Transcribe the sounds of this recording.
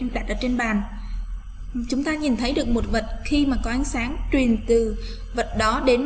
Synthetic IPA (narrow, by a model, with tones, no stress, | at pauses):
ɗa˨˩t̚ʔəː˧˩t͡ɕe˧nɓaː˨˩n | t͡ɕʊ˨˦ŋ͡mt̪aː˧ɲi˨˩nt̪ʰə˨˦jɗɨ˨˩ək̚mo˨˩t̚və˨˩t̚xi˧maː˨˩kɔ˨˦ʔa˨˦jŋ̟saː˨˦ŋt͡ɕwi˨˩ənt̪ɨ˨˩ | və˨˩t̚ɗɔ˨˦ɗe˨˦n